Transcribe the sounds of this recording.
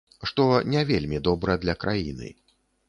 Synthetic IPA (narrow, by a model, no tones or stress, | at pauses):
ʂt̪ɔnʲɛvʲelʲmʲid̪ɔbɾɐd̪lʲɐkɾajḭnɨ̰